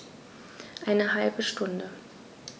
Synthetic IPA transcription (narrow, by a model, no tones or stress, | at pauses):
ʔaɪnəɦalbəʃtʊndə